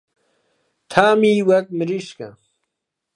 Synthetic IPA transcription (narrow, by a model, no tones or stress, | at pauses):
t̪ʰaːmiːwɐt̪̚miɾiɕkɐ̰